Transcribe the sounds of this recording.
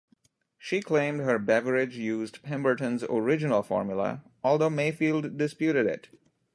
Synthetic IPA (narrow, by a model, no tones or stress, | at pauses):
ʃiːkʰlẽɪ̃mdɦəɾbævəɾɪd͡ʒjuːzdpʰɛ̃mbə˞ʈə̃nzɔ̰ɹɪd͡ʒɪnəlˠfɔ̰ːɹmjʊlə̰ | ɔːlˠd̪oːmeɪfiːlˠdːɪspjuːɾɪɾɪ̰t